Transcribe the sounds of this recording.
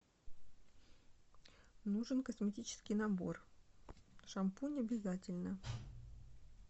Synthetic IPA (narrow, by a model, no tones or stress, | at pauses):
nuʐɨnkəsmʲɪtʲit͡ɕɪ̥skʲɪjnabo̞̰r | ʂɐmpunʲɐbʲɪzatʲɪlʲnə